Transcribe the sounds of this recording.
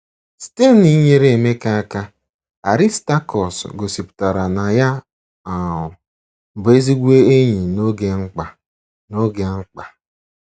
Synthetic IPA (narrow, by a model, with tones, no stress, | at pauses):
ste˦ni˦ɲe˦ɾe˨me˦ka˦ka˦ | a˨ɾi˦sta˦kɔ˨sɡo˨si˨pʊ̥˨ta˨ɾa˨na˨ja˦ | a˨ʊ˨ | m̩˨be˦zi˦ɡʷe˦e˦ɲi˨no˦ɡe˦ŋ͡m̩˦k͡pa˨ | no˦ɡe˨ŋ͡m̩˦k͡pa˨